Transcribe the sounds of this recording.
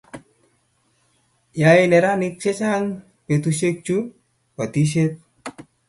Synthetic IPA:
ja˨inɛ˨ɾa˦nɪ˦k̚sɛ˦t͡ʃa˦ŋ | pe˨t̪u˨se˦k̚t͡ʃu˦ | wa˨t̪i˦s̬e˦t̪̚

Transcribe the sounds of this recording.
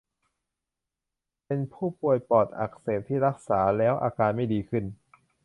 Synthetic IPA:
pe˧npʰuː˥˩pu˨˩əjpɔː˨˩t̪̚ʔa̰˨˩k̚seː˨˩t̪ʰːiː˥˩ɾa˦˥k̚saː˩˦lɛː˦˥wʔa̰ː˧kaː˧nma˥˩jdiː˧kʰɯ˥˩n

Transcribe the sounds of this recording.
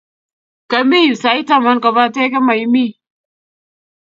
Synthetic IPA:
ka˨mi˦˨sa˨i˦ta˨ma˦nka˨ba˦te˦ke˦ma˨jmi˦

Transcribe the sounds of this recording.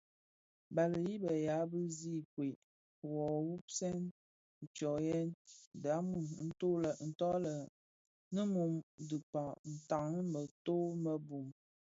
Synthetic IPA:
ba˨lə˨ji˦bə˨ja˨˦bɨ˦zi˦˨kwe˨ʔ | wɔ˨wu˦psɛ˦n | n̩˨t͡ʃɔ˨jɛ˦nda˨˦mu˦˨m˦n̩˦to˦lə˨n̩˨tɔ˦lə˨ | nə˦mu˨mdɨ˨k͡pa˨n̩˨ta˨ŋə˦mə˨to˦mə˦bu˨m

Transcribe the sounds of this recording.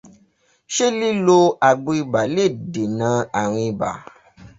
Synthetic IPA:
ʃe˦li˦lo˧a˨ɡ͡bo˧i˧ba˨le˦˨de˨nã˨˦a˨ɾ̃ĩ˧i˧ba̰˨

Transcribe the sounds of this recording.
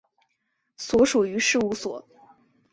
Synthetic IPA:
swɔ˧˥ʂu˨˩y˧˥ʂɻ̩˥˧u˧˥˩swɔ˨˩˦

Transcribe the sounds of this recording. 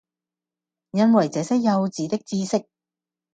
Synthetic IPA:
jɐ˥nwɐ˨˩jt͡sɛː˨˧sɛ˥j̚jɐ˧wt͡siː˨˥t̪ɪ˥k̚t͡siː˥sɪ˥k̚

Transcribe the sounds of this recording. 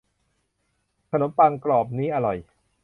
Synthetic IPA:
t̪ʰa˧no˩˦npa˧ŋklɔː˨˩p̚niː˦˥ʔa˧ɾɔ˨˩j

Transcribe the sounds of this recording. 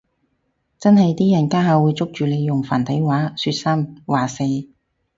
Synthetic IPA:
t͡sɐ˥nɦɐ˨jt̪iː˥jɐ˨˩nkaː˥ɦaː˧wuː˨˧jt͡sʊ˥k̚t͡ʃyː˨le˨˧jjʊ˨˩ŋfaː˨˩nt̪ʰɐ˨˥jwaː˨˥syː˧t̚sɐ˥mwaː˨˩se˨˧

